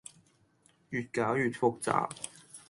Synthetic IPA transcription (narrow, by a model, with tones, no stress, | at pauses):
jyː˨˩t̚kaː˨˥wjyː˨t̚fo˧˥k̚t͡sa̰ː˨p̚